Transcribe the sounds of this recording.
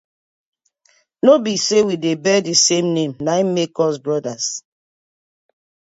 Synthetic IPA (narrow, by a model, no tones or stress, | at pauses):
nobisewidebɛdisemnẽmnaimekɔsbɹɔdas